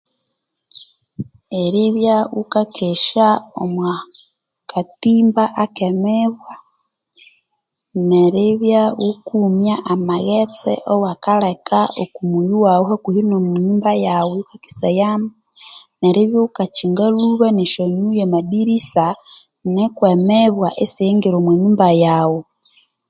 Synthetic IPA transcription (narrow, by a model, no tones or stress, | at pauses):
eɾiβjaɣukakʰeʃaomwa | katiːmbaʔakemeβwa | neɾiβjaɣukumjaʔamaɣet͡sɛ̰ʔowakalekʰaokumujuwauhakuhilomuɲumbajawekaki̥sajama | neɾiβjoukat͡ʃiŋɡaluβaneʃoɲujemaɗiɾisa | nekwemɛβwaʔesiŋɡiɾomweɲumbajawo